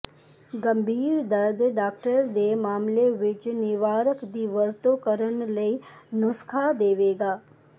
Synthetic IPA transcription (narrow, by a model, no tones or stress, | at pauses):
ɡə̃mbʱiːɾd̪əɾd̪ɖaːk̚ʈəɾd̪emaːmleʋɪt͡ʃnɪʋaːɾəkd̪iːʋəɾt̪okəɾənləinʊskʰad̪eːʋeːɡaː